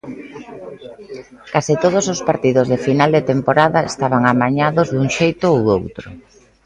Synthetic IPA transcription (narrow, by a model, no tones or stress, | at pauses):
kasit̪oð̞osospaɾt̪iðʊzðefinald̪et̪empoɾaðɐest̪aβ̞aŋamaɲaðozðuŋʃejt̪ʊowowt̪ɾʊ̰